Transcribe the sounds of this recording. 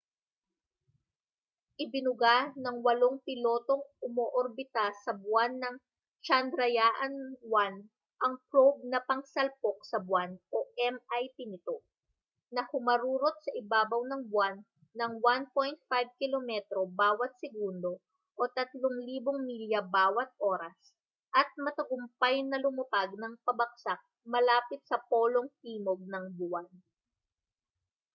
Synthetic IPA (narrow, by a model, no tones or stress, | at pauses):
ʔɪbɪnʊɡanɐŋwɐlo̞ŋpɪlo̞ːt̪o̞ŋʊmoʔoɾbɪt̪asːɐbʊanːɐŋ | t͡ʃɐnd̪ɾɐjaʔɐnwan | ʔɐŋpɾob̚nɐpɐŋsɐlpok̚sɐbwanʔo̞ʔɛmajp̪inɪt̪o̞ | nɐhʊmɐɾuːɾot̪̚sɐʔɪbaːbɐwnɐŋbwanː | ɐŋwanpojnt̪̚fajb̚kɪlomɛt̪ɾo̞baːwɐt̪̚sɛɡund̪o̞ | ʔo̞t̪ɐt̪loŋliːboŋmiljɐbaːwɐt̪̚ʔo̞ːɾɐs | ʔɐt̪̚mɐt̪ɐɡʊmpɐjnɐlʊmɐpaɡ̚nɐŋpɐbɐk̚sak̚ | mɐlaːpɪt̪̚sɐpo̞ːlo̞ŋhiːmo̞ɡ̚nɐŋbʊwan